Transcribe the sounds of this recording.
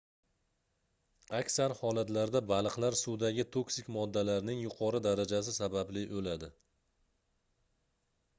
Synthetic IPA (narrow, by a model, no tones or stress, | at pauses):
akʲsaɾhɒlat̪laɾd̪abalˠɨqlaɾsʊwd̪aɡʲɪt̪ʰoksɪkʲmɒd̪ːalaɾnɪŋjʊqʰɒɾɪd̪aɾad͡ʒas̬ɪsabablɪʔolad̪ɪ